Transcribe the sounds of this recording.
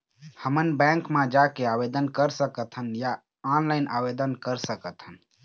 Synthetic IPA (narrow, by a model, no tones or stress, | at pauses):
həmənbɛ̃ŋkmẽd͡ʒakeabed̪ənkəɾsəkət̪ʰənja | ɔnlaɪnʔabed̪ənkəɾsəkət̪ʰɦən